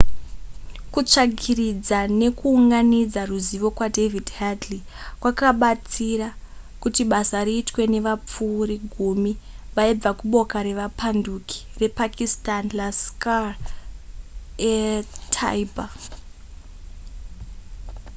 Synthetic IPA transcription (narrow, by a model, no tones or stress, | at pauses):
kut͡ʂaɡirid͡zane̞kuːŋɡanid͡zaruziʋo̞kwadevidhadli | kwakaɓat͡sira | kutiɓasaɾiːtwe̞ne̞ʋap͡fuɾiɡʱumiʋaib͡vakuɓo̞kaɾe̞ʋapanduki̥re̞pakistanlaska | etʰa̰iba